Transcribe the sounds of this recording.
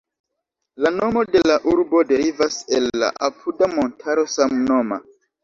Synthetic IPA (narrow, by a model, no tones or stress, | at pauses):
lano̞mo̞de̞laʔuɾbo̞deɾivaselːa̰ʔapʰudamo̞ntʰaɾo̞samno̞ma̰